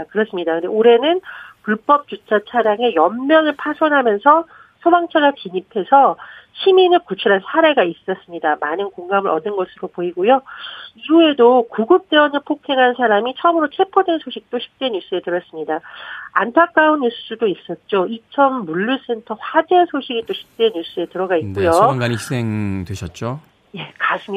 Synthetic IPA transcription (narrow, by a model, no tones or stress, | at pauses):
kɯɾʌs͈ɯmɲidakɯndeoɾe̞nɯnpuɭp͈ʌp̚t͡ɕ͈ut͡ɕʰat͡ɕʰaɾjaŋe̞jʌmmjʌŋɯɭpʰasʰʌnɦamjʌnsʰʌ | sʰʌbaŋt͡ɕʰaɡat͡ɕiɲipʰe̞sʰʌɕʰiminɯɭkut͡ɕʰuɾansʰaɾe̞ɡais͈ʌs͈ɯmɲidamanɯnkoŋɡamɯɾʔʌdɯnɡʌsʰɯɾopoiɡojoiue̞dokuɡɯp̚t͈e̞ʌnɯɭpʰokʰe̞ŋɦansʰaɾamit͡ɕʰʌmɯɾot͡ɕʰe̞pʰodwe̞nsʰoɕʰik̚t͈oɕʰi̥p̚t͈we̞njus͈ɯe̞tɯɾʌs͈ɯmɲidaantʰak͈̚aunːus͈udois͈ʌt̚t͡ɕ͈oit͡ɕʰʌnːuɭːus͈entʰʌɸwad͡ʑesʰoɕʰiɡit͈oɕʰi̥p̚t͈we̞nɲjus͈ɯe̞tɯɾʌɡait̚k͈ujoŋɡanii̥s͈eŋdweɕʰʌt̚t͡ɕ͈o | je̞kas͈ʰɯm